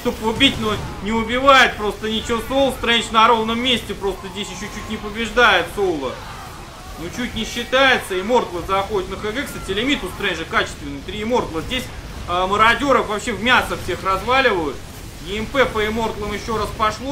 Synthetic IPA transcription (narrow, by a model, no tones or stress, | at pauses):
ʂt̪opʊbʲitʲnonʲɪʊbʲɪvajɪt̪̚pɾo̞st̪ənʲɪt͡ɕɪvosolˠst̪ɾɛnʲɪt͡ɕnɐɾo̞vnəmːʲesʲtʲɪpɾo̞st̪əzʲdʲesʲjɪɕːot͡ɕʉt̚ʲnʲɪpəbʲɪʐd̪ajɪt̪solˠə | not͡ɕut̚ʲnʲɪɕːɪt̪ajɪt̪səɪmo̞rt̪lˠəzɐxodʲɪt̪nəxɨɡɛkst̪atʲɪlʲɪmʲit̪ʊst̪ɾɛnʲʐɨkat͡ɕɪ̥st̪vʲɪnɨt̪ɾʲiɪmo̞rt̪lˠəzʲdʲesʲ | əməɾɐdʲoɾəfvɐpɕe̞vmʲasəfsʲe̞xrɐzvalʲɪvəjʊt̪ | jʲɪɪmpɛpəɪmo̞rt̪lˠəmjɪɕːo̞ɾaspɐʂlˠo